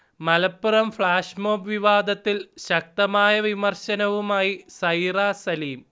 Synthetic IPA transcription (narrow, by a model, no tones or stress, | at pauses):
mɐlɐpːurɐmfɭaːʂmoːpʋiʋaːd̪ʱɐt̪ːilɕɐk̚t̪ɐmaːjɐʋimɐrɕɐnɐʋumaːjisɐjraːsɐliːm